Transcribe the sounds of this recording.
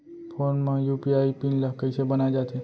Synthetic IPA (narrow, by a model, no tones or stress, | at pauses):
pʰoːnmãjupiaipinləkəɪsebənaed͡ʒaːt̪ʰe